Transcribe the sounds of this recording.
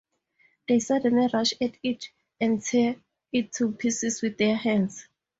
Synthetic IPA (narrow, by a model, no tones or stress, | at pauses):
ðejsadɛ̃niraʃɛtʰitʰ | ɛ̃ntʰɛ | itʰːupʰisiswiθdɛhɛ̃nds